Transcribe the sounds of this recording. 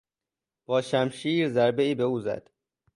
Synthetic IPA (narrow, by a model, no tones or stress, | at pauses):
b̥ɒːʃæmʃiːɾzæɾbe̞iːbe̞uːzæ̰d̪̥